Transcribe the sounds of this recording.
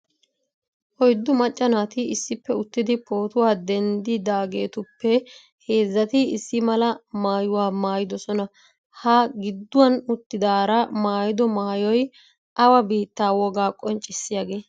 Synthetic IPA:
ʔɔjd̪ːʊmɐt͡ʃʼːɐnaːt̪ɪɪsːɪpːɛʊt̪ːɪd̪ɪpʰo̞ːt̪ʊwaːd̪ɛnd̪ɪd̪aːɡe̞ːt̪ʊpːɛ | he̞ːzːɐt̪ɪɪsːɪmɐlɐmaːjʊwaːmaːjɪd̪ɔsɔnɐ | hɐɡɪd̪ːʊwɐnʊt̪ːɪd̪aːɾɐmaːjɪd̪ɔmaːjɔj | ʔɐwɐbiːt̪ːaːwɔɡaːkʼɔnt͡ʃʼːɪsːɪjaɡe̞ː

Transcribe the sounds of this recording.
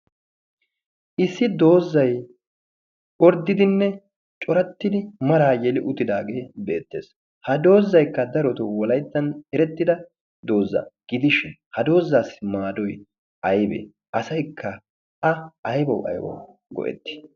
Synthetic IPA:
ʔɪsːɪd̪o̞ːzːɐj | ɔɾd̪ːɪd̪ɪnːɛ | t͡ʃʼɔɾɐt̪ːɪd̪ɪmɐɾaːjɛlɪʔʊt̪ɪd̪a̰ːɡe̞ːbe̞ːt̪ːe̞ːs | hɐd̪o̞ːzːɐjkːɐd̪ɐɾɔt̪ɔwɔlɐjt̪ːɐnɛɾɛt̪ːɪd̪ɐ | d̪o̞ːzːɐ̰ɡ̥ɪd̪ɪʃɪnhɐd̪o̞ːzːaːsmaːd̪ɔj | ʔɐjbḛ | ʔɐsɐjkʰːɐ | ɐʔɐjbɐwʔɐ̰jbɔ̰w | ɡɔ̰ʔɛ̰t̪ːɪ̥

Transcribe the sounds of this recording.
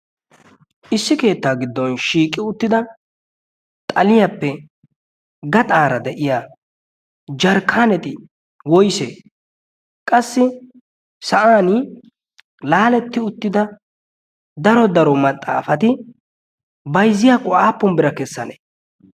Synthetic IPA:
ʔɪsːɪke̞ːt̪ːaːɡɪd̪ːɔnʃiːkʼːɪʊt̪ːɪd̪ɐ | t̪ʼɐlɪjapːɛ | ɡɐt̪ʼaːɾɐd̪ɛʔɪja | d͡ʒɐɾkʰːaːnɛt̪ʼɪ | wɔjsḛː | kʼɐsːɪ | sɐʔaːnɪ | laːlɛt̪ːɪʊt̪ːɪd̪ɐ | d̪ɐɾɔd̪ɐɾɔmɐt̪ʼːaːfɐt̪ɪ | bɐjzːɪjakʼʊʔaːpːɔnbɪɾɐkɛsːɐne

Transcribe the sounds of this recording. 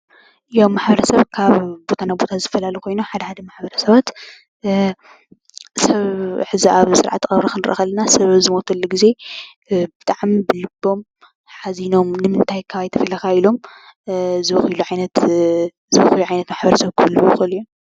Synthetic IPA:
jowmːaħbɐɾɐsɐβkʰaβbo̞t̪ʰanabo̞t̪ʰazɨt̪ɐ̥fɐlalɐjkʰo̞jnuħad̪ɐħad̪ɐmaħbɐɾɐsɐβat̪ | sɐβħɨziaβsɨɾʕa̰t̪ːxʼɐβɾɐxʰɨnɨɾʔxɐlɐnasɐβɐβzɨmot̪ʰɐlːuɡize̞ | bɨt̪ʼaʕmibɨlɨbːo̞m | ħazino̞mnɨmɨnt̪ʰajkʰaβajt̪ʰɐfɐlɐkʰailo̞m | zɨɐxiluʕajnɐt̪ | zɨwɐxɨluʕajnɐt̪maħbɐɾɐsɐβkʰɨβɨlːuwuxɨliju

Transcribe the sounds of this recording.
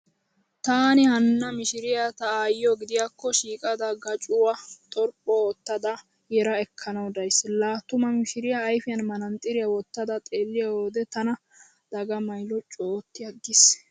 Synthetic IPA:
t̪aːnɪhɐnːɐmɪʃɪɾɪjɐt̪ɐːjɔɡɪd̪ɪjakːɔʃiːkʼɐd̪ɐɡɐt͡ʃʼʊwat̪ʼɔɾpʼːɔɔt̪ːɐd̪ɐ | jɛɾɐɛkʰːɐnɐwd̪ɐjsːlaːt̪ːʊmɐmɪʃɪɾɪjɐːjfɪjɐnmɐnɐnt̪ʼɪɾɪjɐwɔt̪ːɐd̪ɐt̪ʼe̞ːlːɪjɐwoːd̪ɛt̪ɐnɐ | d̪̥ɐɡɐmɐjlɔt͡ʃʼoːt̪ːɪjɐɡɪs

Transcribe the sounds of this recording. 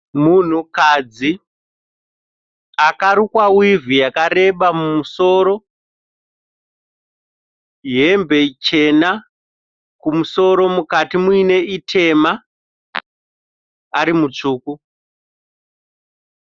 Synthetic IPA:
mun̤ukad͡zi | akaɾukwawivijakaɾe̞ɓamumuso̞ːɾo̞ | ɦe̞mbe̞t͡ʃe̞na | kumuso̞ɾo̞mukatimuine̞itʰe̞ma | aɾimut͡ʂuːku

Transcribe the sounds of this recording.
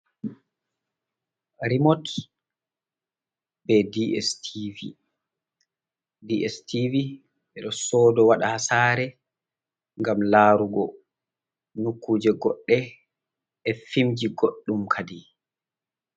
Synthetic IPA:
ɾimɔt | bɛdiɛstivi | diʔɛstivi | ɓɛɗɔsɔːdɔwaɗahasaːɾɛ | ŋɡamlaːɾuɡɔ | nukːuːd͡ʒɛɡɔɗːɛ | ɛfimd͡ʒiɡoɗːumkʰadi

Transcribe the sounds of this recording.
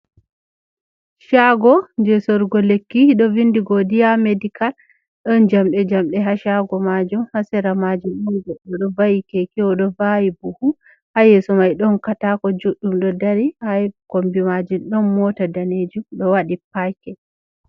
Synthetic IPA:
ʃaɡɔnd͡ʒɛsɔɾɡɔlekːiɗɔvindiɡɔdijamedikal | ɗɔnd͡ʒamɗɛd͡ʒamɗɛɦaʃaɡɔmad͡ʒumhasɛɾamad͡ʒumɔɡɛɗɔɗɔvajikekiwɔɗɔvajibuhu | hajɛsɔmajɗɔnkatakɔd͡ʒuɗːumɗɔdaɾihajkombimad͡ʒunɗɔnmɔtadaned͡ʒumɗɔwaɗipajkɛ

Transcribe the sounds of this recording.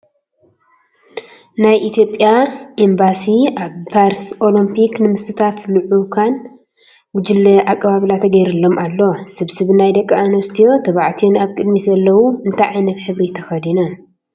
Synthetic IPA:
najʔit̪ʰijo̞pʼːjaʔembasiʔaβpʰaɾsʔo̞limpʰiknɨmɨsɨt̪ʰat̪lɨʕukʰan | wʊd͡ʒɨlːɐʔakʼːɐβaβɨlat̪ʰɐɡɐjɾɨlːo̞malːo̞sɨβsɨβnajd̪ɐkʼːɐanɐst̪ʰijo̞t̪ʰɐβaʕt̪ʰijonaβkʼɨd̪mizɐlːɐwuɨnt̪ʰajʕajnɐt̪ħɨβɾit̪ʰɐxɐd̪ina

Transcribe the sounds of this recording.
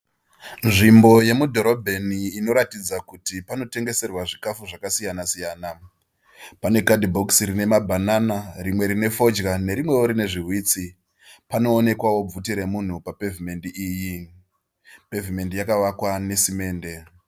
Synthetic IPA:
nʐimbo̞je̞mudʱo̞ɾo̞bʱeniːno̞ɾatid͡zakutipano̞te̞ŋɡe̞se̞rwaʐikafuʐakasijanasijaːna | pane̞kadibʱoksɾine̞mabʱanaːnaɾimwe̞ɾine̞fo̞d͡ʒɣane̞ɾimwe̞woɾine̞ʐiɦwiːt͡si | pano̞ːne̞kwawo̞b͡vutiɾemun̤upapevime̞ndiiːji | pe̞vime̞ndijakaʋakwane̞sime̞ːnde̞

